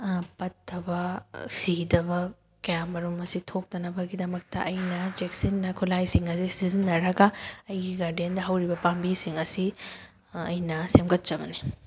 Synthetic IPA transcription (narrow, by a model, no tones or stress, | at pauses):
pɐtːɐbɐsidɐbɐ | kɐjamɐɾumɐsitʰok̚tɐnɐbɐɡidɐmɐk̚tɐ̰ʔɐjnɐd͡ʒeksinːɐkʰulajsiŋɐsisizinːɐɾɐɡɐɐjɡiɡaɾdiendɐɦɐwɾibɐpambisiŋɐsi | ɐ̰jnɐsemɡɐt̚t͡ʃɐbɐni